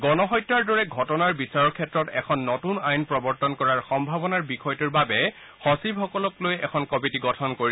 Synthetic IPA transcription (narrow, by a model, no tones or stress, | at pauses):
ɡɔnɔɦɔjtːɹaɹdɔɹɛɡʱɔtɔnaɹbisaɹɔɹkʰɛtɹɔtɛkʰɔnːɔtunajnpɹɔbɔɹtɔnkɔɹaɹxɔmbʱabɔnaɹbixʰɔjtuɹbabɛ | hɔsibɦɔkɔlɔklojɛkʰɔnkɔbitiɡɔtʰɔnkoɹi